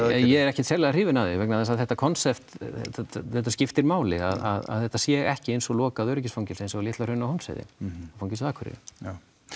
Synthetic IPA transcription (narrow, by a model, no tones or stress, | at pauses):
jɛɛɾɛhcɛt̪sʰɛlɪar̥iːvɪnaðɪvɛknaðɛsaðθɛht̪ːakʰɔnsɛpt̪ | θɛht̪ascɪft̪ɪɾmaːwlɪ̰a̰ða̰ða̰ðθɛht̪ːasjɛːɣɛhcɪejnsɔɣlɔːkaðœɥɾɪc̬ɪsfowŋcɪlsejnsɔɣlɪht̪lar̥ʏnːahɔnsɛ̰ðɪ̰ɔfawŋcːɪsðaːkʰʏɾɪ̰